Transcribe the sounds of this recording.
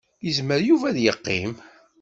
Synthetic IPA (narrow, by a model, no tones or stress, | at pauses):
jəzməɾjuvæðjəqːḭm